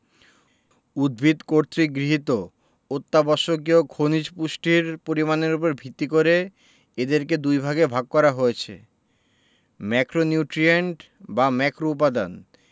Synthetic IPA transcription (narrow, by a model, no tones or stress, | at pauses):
ud̪̚bʱit̪koɾt̪ɾiɡɾiɦit̪o | ot̪ːabɔʃok̬iokʰonid͡ʑpuʃʈiɾpoɾimaneɾup̬oɾbʱit̪ːikoɾe | ed̪eɾked̪ujbʱaɡebʱaɡ̚kɔɾaɦojet͡ɕʰḛ | mɛkɾonjuʈɾieɳʈ | bamɛkɾoup̬ad̪an